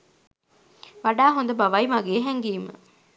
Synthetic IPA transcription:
ʋɐɖaːɦond̪ɐbɐʋɐjmɐɡeːɦeŋɡiːmɐ̰

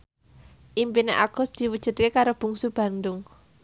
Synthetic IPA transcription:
ʔimpineʔaɡ̥ɔ̤sd̪̥i̤wud̥ʒ̥ṳd̪̚kekaɾob̥ṳŋsub̥ä̤nɖʊŋ

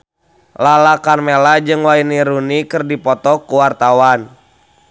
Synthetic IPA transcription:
lalakarmelad͡ʒɨŋwainiɾunikɨrdipɔt̪ɔkuwart̪awan

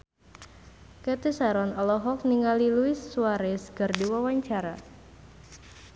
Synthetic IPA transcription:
kɛt̪isaɾɔnɔlɔɦɔkniŋaliluisːuaɾɛsɡərdiwawaɲt͡ʃaɾa

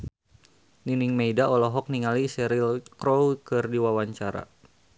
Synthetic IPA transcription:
niniŋmejdaɔlɔɦɔk̚niŋalisɛɾilkɾowkɨrdiwawaɲt͡ʃaɾa̰

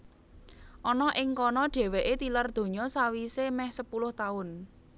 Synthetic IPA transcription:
ʔɔnɔʔɪŋkɔnɔɖ̥ɛ̤weʔet̪ilərd̪̥o̤ɲɔsawisemɛhsəpulʊht̪aʊn

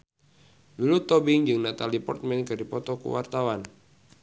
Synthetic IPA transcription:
lulut̪ɔbɪŋd͡ʒɨŋnat̪alipɔ̰rt̪̚mɛnkɨrdipɔt̪ɔkṵwa̰rt̪awan

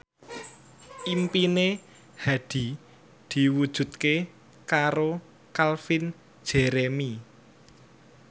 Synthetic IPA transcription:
impine | had̪̥i̤ | d̪̥i̤wud̥ʒ̥ṳt̪ke | kaɾo | kalfin̥ | d͡ʒ̥eɾemi

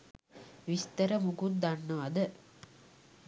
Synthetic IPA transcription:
ʋist̪ɐɾəmuɡund̪ɐnːɐʋɐd̪ə

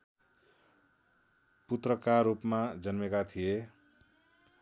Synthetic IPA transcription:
put̪rʌkarɾupmad͡zʌnmekat̪ʰije

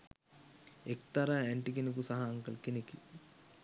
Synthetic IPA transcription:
ekt̪ɐɾaɛɳʈik̬enikusɐɦaːŋkɐlkeneki

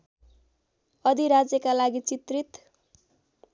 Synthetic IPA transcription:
ʌd̪ʱiɾad͡zjʌkalaɡit͡sit̪rit̪

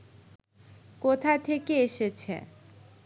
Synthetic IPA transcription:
kot̪ʰat̪ʰekeeʃet͡ɕʰḛ

